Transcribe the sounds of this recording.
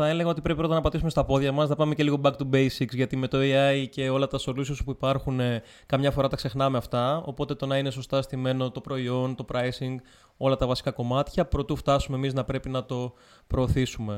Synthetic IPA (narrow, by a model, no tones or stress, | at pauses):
θɐe̞leɣɐot̪ipɾepipɾot̪ɐnɐpɐt̪isumest̪ɐpo̞ðʝɐmɐsnɐpɐme̞ce̞liɣobɐkt̪ubejsiksʝɐt̪ime̞t̪oiɐjce̞o̞lɐt̪ɐso̞lusisu̥puipɐɾxune | kɐmɲɐfo̞ɾɐt̪ɐkse̞xnɐme̞ɐft̪ɐo̞po̞t̪e̞t̪o̞nɐine̞so̞st̪ɐst̪ime̞no̞t̪o̞pɾo̞io̞nt̪o̞pɾɐjsiŋɡ | o̞lɐt̪ɐvɐsi̥kɐko̞mɐt̪çɐpɾo̞t̪uft̪ɐsume̞emiznɐpɾe̞pinɐt̪o̞ | pɾo̞ːθisume̞